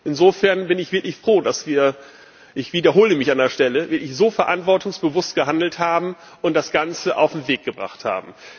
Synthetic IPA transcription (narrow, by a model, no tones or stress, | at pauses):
ʔɪnzoːfɛɐnbɪnɪçv̥ɪɐklɪçfʁ̥oːdasv̥iːɐ | ʔɪçv̥iːdɐɦoːləmɪçandeːɐʃtɛləvɪɐklɪçz̥oːfɛɐʔantv̥ɔɐtʊŋsb̥əvʊstɡ̥əɦandl̩thaːbm̩ | ʔʊntd̥asɡ̥ant͡səʔa̰ʊfm̩veːk̚ɡ̥əbʁa̰χtha̰ːbm̩